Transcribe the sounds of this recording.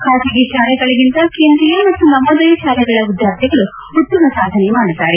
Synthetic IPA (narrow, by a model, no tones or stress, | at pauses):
kʰaːsiɡeʃaːlɛɡɐɭɐɡint̪ɐkeːnd̪ɾijɐmɐt̪ːunɐmod̪ɐjɐʃaːlɛɡɐɭɐud̪jaːɾt̪ʰiɡɐɭu | ut̪ːɐmɐsaːd̪ʱɐnemaːɽit̪ːaːɾe